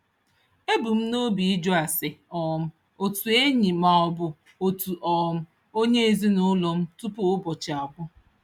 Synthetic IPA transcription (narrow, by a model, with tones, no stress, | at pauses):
e˦bu˨m̩˦no˦bi˨i˦d͡ʒɔ˦a˨sɪ˨ɔ˨˦m̩˦ | o˨tu˨e˦ɲi˨ma˨ɔ˨bʊ˨ | o˨tu˨ʔɔ˨˦m̩˦ | o˦ɲe˦e˨zi˦nʊ˦lɔ˨m̩˦tu˦pʊ˦ʊ˦bɔ˨t͡ʃɪ˨a˨bʊ˦